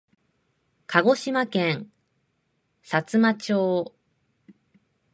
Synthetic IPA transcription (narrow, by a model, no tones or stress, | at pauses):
kʰaɡo̞ɕimakẽŋ | sat͡sɨmat͡ɕoː